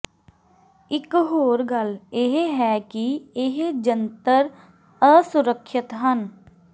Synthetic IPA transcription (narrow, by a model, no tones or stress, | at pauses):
ɪkɦoːɾɡəlɪɦɦɛːkiɪɦd͡ʒənt̪əɾ | əsʊɾəkʰʃɪt̪ɦən